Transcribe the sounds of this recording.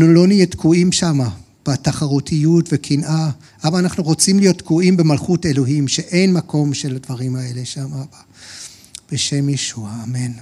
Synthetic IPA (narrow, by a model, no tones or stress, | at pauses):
nulo̞nijetkuimʃama | b̥ataχaʁutʰijutvekʰinʔa | ʔabaːnaχnuʁo̞t͡simlijo̞t̪kuʔimbe̞malχute̞lo̞ɦimʃeʔe̞jnmako̞mʃeladvaʁimae̞le̞ʃamaba | b̥eʃe̞mjeʃuaːmen